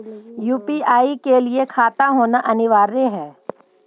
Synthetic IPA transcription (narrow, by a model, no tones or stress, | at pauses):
juːpiaːikeliekʰaːt̪aɦoːnaʔɐnɪʋaːɾeɦɛ̃ː